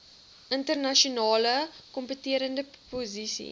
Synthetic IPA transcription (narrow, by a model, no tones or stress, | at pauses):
ʔəntərnɐʃunɑːləkɔmpətiəɾəndəpozisḭ